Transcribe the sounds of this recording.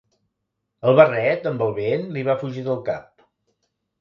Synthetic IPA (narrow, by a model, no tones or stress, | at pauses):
əlˠβərɛt̪əmbəlˠβenliβafuʒiðəlˠkap̚